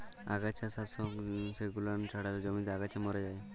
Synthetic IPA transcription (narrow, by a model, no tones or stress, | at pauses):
a̰ɡat͡ʃʰasasɔkseɡulant͡ʃʰaɽaɾed͡ʒɔmint̪aɡat͡ʃʰamɔɾed͡ʒaj